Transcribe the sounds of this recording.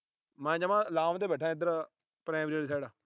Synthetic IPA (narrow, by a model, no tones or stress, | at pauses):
mɛ̃ːd͡ʒəmãːlaːmd̪eːbɛʈʰːãːɪd̪əɾa | pɾɛ̃ːbɾeːlisɛːɽaː